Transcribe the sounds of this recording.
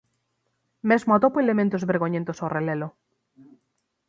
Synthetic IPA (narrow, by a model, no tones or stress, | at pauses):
mezmoat̪opoelemẽnt̪ozβeɾɣoɲẽnt̪osawrelelo